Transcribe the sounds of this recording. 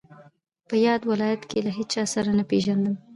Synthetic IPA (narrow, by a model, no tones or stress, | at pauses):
pəjɑd̪wɪlɑjat̪kelaɦet͡ʃɑsaɾanapeʒand̪əm